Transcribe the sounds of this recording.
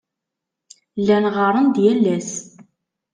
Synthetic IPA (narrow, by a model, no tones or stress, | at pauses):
lːænʁɑɾˤənd̪jælːæs